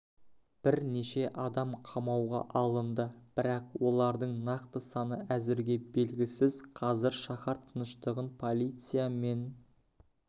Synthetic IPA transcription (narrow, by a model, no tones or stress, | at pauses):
b̥ɪɾne̞ʃe̞ʔɑd̪ɑmqʰɑmɑwʁɑ̰ʔɑlˠənd̪əb̥ɪɾɑqwo̞lˠɑɾd̪əɴnɑqt̪əsɑnəæzɪɾɡʲe̞be̞lɡʲɪsɪzqʰɑzɪɾʃɑχɑɾt̪ʰənəʃt̪əʁənpʰo̞lʲˠijt̪sɨjame̞n